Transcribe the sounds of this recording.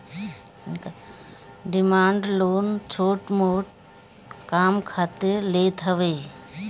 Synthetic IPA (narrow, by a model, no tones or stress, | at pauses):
k | ɖimaːɳɖloːnt͡ʃʰoːʈmoːʈ̚ | kaːmkʰɐt̪ɨleːt̪ʰɐʋɐj